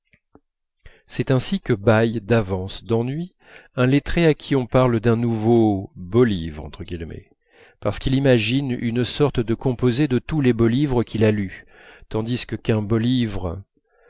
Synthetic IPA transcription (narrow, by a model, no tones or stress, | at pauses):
sɛt̪ɛ̃sikəbajd̪avɑ̃sd̪ɑ̃nɥi | ɛ̃let̪χeakʲʰiɔ̃paʁld̪ɛ̃nuvobolivʁɑ̰̃t̪χəɡʲilmɛ̰ | paʁsə̥kilimaʒiny̰nsɔʁt̪d̪əkɔ̃pozed̪ət̪ulɛbolivʁəkʲʰilaly | t̪ɑ̃d̪iskəkɛ̃bɔlivʁə